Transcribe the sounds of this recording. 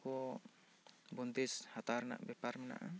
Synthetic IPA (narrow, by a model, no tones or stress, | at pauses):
kɔ | bɔnt̪ishat̪aɾna̰ʔbɛpaɾmɛna̰ʔa